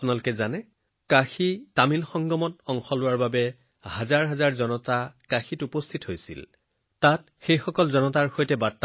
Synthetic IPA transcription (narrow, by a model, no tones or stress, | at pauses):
pʊnalʊkɛzanɛ | kaxitamilxɔŋɡɔmɔtɔŋxɔlʊwaɹbabɛ | hazaɹɦazaɹzɔnɔtakaxitupɔstʰitɦojsḭl | tat̚ | xejxɔkɔlzɔnɔtaɹxojtɛbaɹtːa